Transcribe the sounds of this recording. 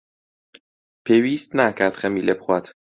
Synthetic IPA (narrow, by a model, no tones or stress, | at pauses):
pʰeviːst̪nækʰæɾt̪χæmiːlepxuæt̪